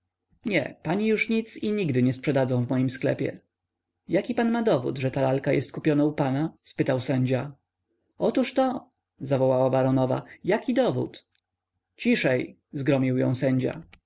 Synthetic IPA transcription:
ɲɛ̰paɲijuʂɲit̪siɲiɡd̪ɘɲɛspʂɛd̪ad̪zɔ̃w̃vmɔjimsklɛ̰pʲjɛ̰ | jakʲipanmad̪ɔvṵd̪ʐɛt̪alalkajʔɛ̰st̪̚kupʲjɔnaupanaspɘt̪awsɛɲd͡ʑa | ɔt̪uʂt̪ɔ | zavɔwawabaɾɔnɔva̰jakʲid̪ɔvṵt̪ | t͡ɕiʂɛj | zɡɾɔmʲiwjɔ̰̃w̃sɛɲd͡ʑa̰

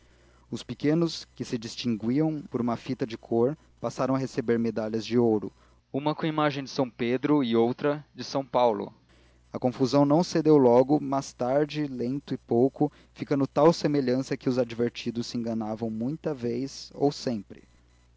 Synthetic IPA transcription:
ʊspɪkẽnʊskɪsɪd͡ʒist͡ʃĩŋɡwiɐ̃w̃poɾũmɐfit̪ɐd͡ʒɪkʰoɾ | pasaɾɐ̃w̃ɐɦesebeɾmed̪aʎɐzd͡ʒɪowɾʊ̰ | ũmɐkõɐimaʒẽj̃d͡ʒɪsɐ̃w̃ped̪ɾʊɪowt̪ɾɐd͡ʒɪsɐ̃w̃pawlʊ̰ | ɐkõfuzɐ̃w̃nɐ̃w̃sed̪ewlɔɡʊmast̪aɾd͡ʒɪlẽnt̪ʊɪpowkʊ | fikɐ̃nd̪ʊt̪awsemeʎɐ̃sɐkɪʊzad͡ʒiveɾt͡ʃid̪ʊsːɪẽŋɡɐnavɐ̃w̃mũj̃t̪ɐvejzo̰wsẽmpɾɪ̰

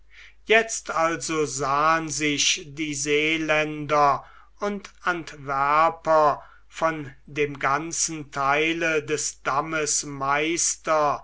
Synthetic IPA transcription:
jɛt͡st̪alzozaːənzɪʃdiːzeːlɛndɐ | ʊntantvæɐpɐ | fɔndeːmɡant͡sn̩tʰaɪlədɛsd̥aməsmaɪstɐ

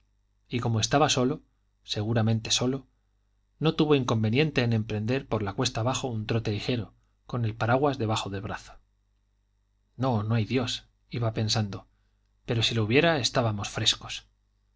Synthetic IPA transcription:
iko̞moe̞st̪aβaso̞lo̞ | se̞ɣ̞uɾamẽnt̪e̞so̞lo̞ | no̞t̪uβo̞iŋko̞mbe̞njẽ̞nt̪e̞ːnẽ̞mpɾe̞nd̪e̞ɾpo̞ɾlakwe̞st̪aβaxount̪ɾo̞t̪e̞lixe̞ɾo | ko̞ne̞lpaɾaɣwazðe̞βaxo̞ðe̞lβɾaθo̥ | no̞no̞ajðjo̞s | iβape̞nsand̪o̞ | pe̞ɾo̞silouβje̞ɾae̞st̪aβamo̞sfɾe̞sko̞̥s

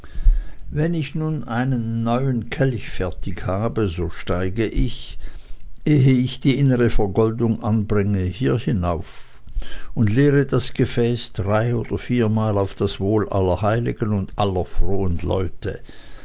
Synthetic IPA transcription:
vɛnɪçnuːnʔaɪnənːɔʏənkʰɛlçfɛɐtʰɪkhaːbəzoːʃtaɪɡəʔɪç | ʔeːɦəɪçd̥iːʔɪnəʁəfɛɐɡɔldʊŋʔanbʁɪŋəhiːɐhɪnaʊf | ʊntleːʁədasɡ̥əfɛːsd̥ʁaɪoːd̥ɐfiːɐmaːlaʊfd̥asv̥oːlʔalɐɦaɪlɪɡənʊndʔalɐfʁ̥oːənlɔ̰ʏtʰə̰

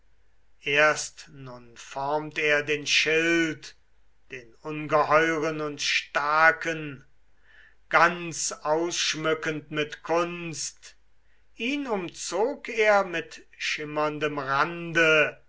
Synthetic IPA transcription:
ʔeːɐstnʊnfɔɐmteːɐdeːnʃɪlt | d̥eːnʊnɡəhɔʏʁənʊntʃtaɐkʰən | ɡ̥ant͡saʊsʃmʏkəntmɪtkʰʊnst | ʔiːnʊmt͡soːkeːɐmɪtʃɪmɐndəmʁandə

